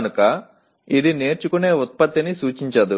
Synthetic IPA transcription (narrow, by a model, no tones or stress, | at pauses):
nukɐ | id̪ineːɾt͡ʃukune̞ːut̪̚pɐt̪ːinisuːt͡ʃiɲt͡ʃɐd̪u